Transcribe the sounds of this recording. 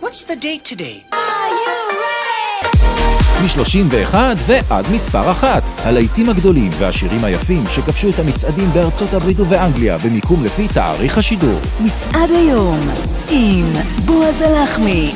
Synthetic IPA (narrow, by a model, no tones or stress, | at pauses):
wɔtsðɨdeɪtʰɨdeɪju | miʃlo̞ʃimveeχadveʔadmispa̰ʁaχat̪halajtimaɡd̪o̞limvehaʃiʁimhaja̰fimʃe̞kafʃuethamit͡sadimbeaʁt͡sothabʁit̪̬uveaŋɡlija̰bemikumlefita̰a̰ʁiχhaʃidṵʁmit͡sʔadajom | ʔimbuazelaχmi